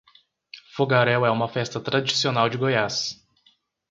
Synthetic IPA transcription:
foɡaɾɛwɛũmɐfɛst̪ɐt̪ɾad͡ʒisionawd͡ʒɪɡojas

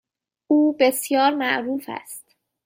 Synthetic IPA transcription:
uːbe̞sjɒːɾmæʔɾuːfæ̰st̪

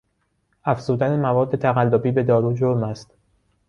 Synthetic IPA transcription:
æfz̥uːd̪ænemævɒːd̪ːe̞t̪ʰæɣælːobiːbe̞d̪ɒːɾuːd͡ʒoɾmæst̪

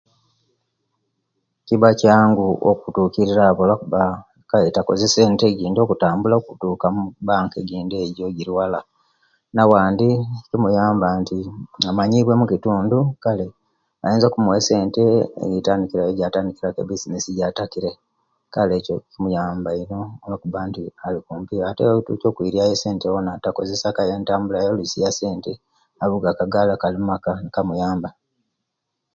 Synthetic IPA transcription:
ciβacaːŋɡuo̰kutuːkiɾiɾaβolakuβa | kaetako̞̰zese̞ːnte̞ɟiːndo̞ːkutaːmbulaokutuːkamubaːŋke̞ɟiːndeːɟo̞ɟiɾwala | nawaːndicimujaːmbantiamaɲiβwe̞mukituːndukale̞ | a̰jeːnzokumuwese̞ːnte̞ḛjitaːndikiɾajoɟataːndikiɾakḛbisinisiɟatakiɾe | kale̞ːco̞kimujaːmbaino̞akuβaːntialikuːmpijaatetuco̞ːkwiɾiajese̞ːntewonatako̞ze̞sakajeːntaːmbulajolusijase̞ːnte | aβuɡakaɡalakalimumakanikamujaːmba

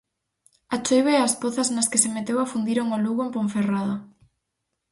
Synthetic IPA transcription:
at͡ʃojβaeaspoθasnaskesemet̪ewafund̪iɾoŋoluɣoempõɱferaða

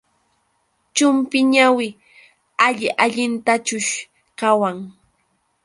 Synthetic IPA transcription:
t͡ʃʊmpɪɲawɪ | aʎɪʔaʎɪnt̪at͡ʃʊʃ | kawaŋ

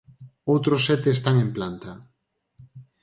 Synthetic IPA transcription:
owt̪ɾʊsːɛt̪eːst̪aŋemplant̪a

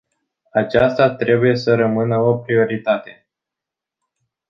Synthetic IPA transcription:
at͡ʃast̪at̪ɾe̞buje̞səɾəmɨnəo̞pɾio̞ɾit̪at̪e̞

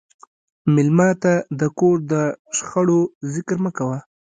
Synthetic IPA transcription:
mɪlmɑt̪ad̪əkoɾd̪əʃxəɽozɪkɾməkawa

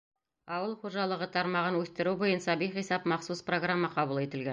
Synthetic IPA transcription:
ɑwəlˠχoʒɑlˠəʁət̪ʰɑɾmɑʁənwɵθt̪ɪɾubojənsɑbijχijsɑpmɑqsuspro̞ɡramːɑqʰɑbəlˠe̞t̪ɪ̆lɡʲen

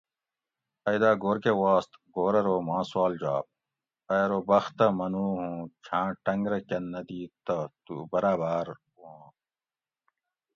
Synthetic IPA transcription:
ɐjd̪aːɡoːɾkewaːst̪ɡoːɾɐɾoːmãːswaːld͡ʑaːp̚ | ɐjɾoːbɐxt̪ɐmɐnuːɦũːt͡ɕʰãːʈɐŋɡɾɐkɐnːɐd̪iːt̪ɐt̪ubɐɾaːbaːɾwuõː

